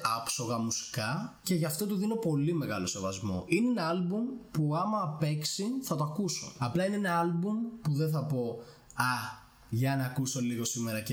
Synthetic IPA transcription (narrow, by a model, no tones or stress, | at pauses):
ɐpso̞ɣɐmusi̥kɐce̞ʝɐft̪o̞t̪uðino̞po̞lime̞ɣɐlo̞se̞vɐzmo̞̰inenɐlbumpuɐmɐpe̞ksiθɐt̪oɐkuso̞ɐplɐinenɐɐlbumpuðenθɐpo̞ | ɐ | ʝɐnɐkuso̞liɣo̞simeɾɐce